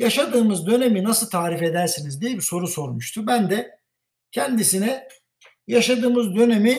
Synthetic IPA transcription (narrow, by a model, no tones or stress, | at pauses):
jaʃad̪ɯːmɯzd̪ø̞ne̞minasɯlˠt̪ʰaːɾife̞d̪æɾsinizd̪ijɛbiso̞ɾuso̞ɾmuʃt̪ʰubænd̪ɛ | cʰɛnd̪isinɛ | jaʃad̪ɯːmɯzd̪ø̞nemi